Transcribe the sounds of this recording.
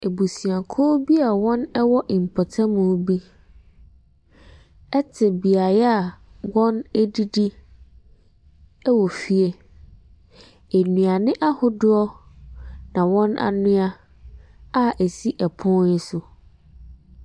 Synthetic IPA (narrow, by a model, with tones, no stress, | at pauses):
e˨bu˨si˨ã˨kʰɔ˦bi˦a˨wɔ̃˦nɛ˦wɔ˦ʔɪ˨m̩˨pʰɔ˨tʰa˦mũ˨˦bi˦ | ɛ˦tʰɪ˨bi˨a˨ja˨wɔ̃˦nɛ˦di˦di˦ | ɛ˦wɔ˨fi˦e˦ | e˨nũ˨a˨nɪ̃˦ʔa˦hʊ˦dʊ˦ɔ˦ | nã˨wɔ̃˦na̰˦˨nʊ̃˦a˦ | a˦ʔe˨si˦ʔɛ˨pʰʊ̃˦n̩˦sʊ˦